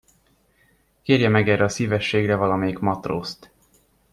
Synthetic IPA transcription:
keːrjɛmɛɡɛrːɛɒsiːvɛʃːeːɡrɛvɒlɒmeːjiɡmɒt̪ro̰ːst̪

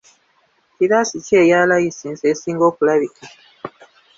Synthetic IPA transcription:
kiβasiceːjaːlajisinzesiːŋɡo̞ːkulaβika

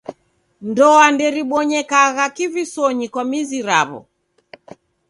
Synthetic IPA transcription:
ndɔandɛɾiɓɔɲɛkaɣakivisɔɲikwamiziɾa̰βɔ̰

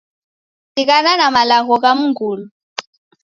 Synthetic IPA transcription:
sik̬ʼananamalaɣɔk̬ʼamuŋɡuːlu

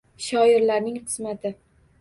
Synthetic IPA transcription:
ʃɒɪɾlaɾnɪŋqɨ̥smat̪ʰɪ

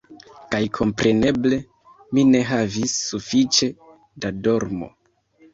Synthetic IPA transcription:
kajkʰo̞mpɾe̞ne̞ble̞ | mine̞ɦavisːufit͡ʃe̞ | dado̞ɾmo̞̰

